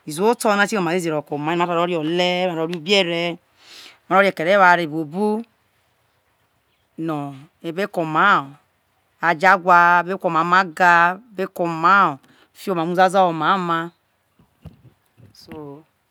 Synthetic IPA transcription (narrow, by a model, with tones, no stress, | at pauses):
i˨zu˨˦o˦tɔ˦na˦si˦o˨ma˨e˦ze˨ɾo˨ko˨ma˨˦a˦a˨ɾo˦ɾjɔ˨le˦ma˨ɾɔ˨˦ɾi˦u˦bi˦e˦ɾe˦ | ma˨ɾo˦ɾje˨ke˨ɾe˦βa˨ɾe˨bo˨bu˦ | nɔ˨ | e˨be˦ko˨ma˨˦˨ | a˨d͡ʒa˦ɡʷa˦˨be˦kʷo˨m˨a˨˦ma˦ɡa˦˨be˦ko˨ma˨˦˨ | fi˦o˦˨ma˨mu˦za˦za˦o˨ma˨˦ma˦ | so˨